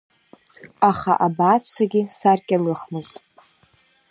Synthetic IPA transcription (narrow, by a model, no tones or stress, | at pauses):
aχaʔabat͡sʰaɡʲɪsarkʲʼalɨχmɨztʼ